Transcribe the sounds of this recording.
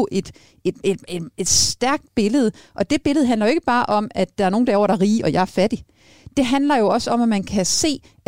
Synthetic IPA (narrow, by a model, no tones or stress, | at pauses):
ʔe̝d̥ | ed̥ed̥e̥e̝d̥sd̥æɐɡ̥̚d̥̚b̥e̝ləð̞̩ˠʔɒ̽d̥e̝b̥e̝ləð̞̩ˠɦænlɐjoe̝ɡ̥əb̥ɑ̈ːʔɒ̽m̰æd̥ɑ̈æɐno̝ːn̩d̥ɑɒ̰ʊ̰ɐɾ̥ɑɐʁiːʔɒ̽jɑ̈ɪæɐfæd̥i | d̥e̝ɦænlɐjo̝ɒ̽səɒ̽mæmænkʰæse̝̰ː